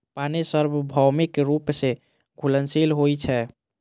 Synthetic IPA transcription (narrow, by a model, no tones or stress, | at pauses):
panesəɾbbʱɔwmikɾupse | ɡʱulənsilɦojt͡ʃʰɛ